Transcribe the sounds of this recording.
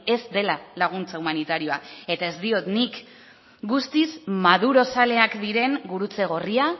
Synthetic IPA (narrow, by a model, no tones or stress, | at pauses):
e̞zd̪e̞lalaɣ̞unt͡saumanit̪aɾio̞ae̞t̪ae̞zd̪io̞t̪nik | ɡust̪ismað̞uɾo̞sale̞akd̪iɾe̞ŋɡuɾut͡se̞ɣ̞o̞ria